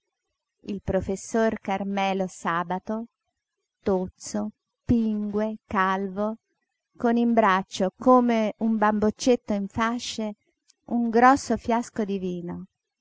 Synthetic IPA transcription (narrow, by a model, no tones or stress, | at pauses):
ilpɾofesːorkarmɛːlosaːbat̪o | t̪ot̪so | piŋɡwekalvo | konimbɾat͡ʃːokoːmeumbambot͡ʃːet̪ːoiɱfaʃːe | uŋɡɾɔsːofjaskod̪iviːno